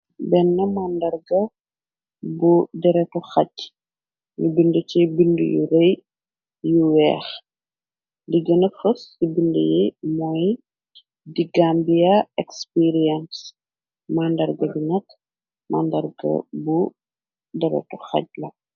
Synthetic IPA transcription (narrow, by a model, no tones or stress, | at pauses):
bɛnːɐmandɐrɡɐ | budɛɾɛtɔxɐc | nubindut͡ʃibindṵjṵɾɛj | juwɛːx | diɡɐnɐfɐsibindəjɛmɔːj | diɡambijaɛkspiɾiɛns | mandɐrɡɐbinɐk | mʔa̰ndɐrɡɐ̰bu | dɛɾɛ̰tɔxɐ̰c̚lɐ